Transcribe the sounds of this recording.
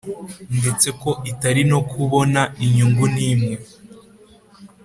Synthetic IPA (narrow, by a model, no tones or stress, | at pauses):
ndet͡se̞ko̞ʔitaɾino̞kʰuβo̞naiɲuŋɡuniːmŋe̞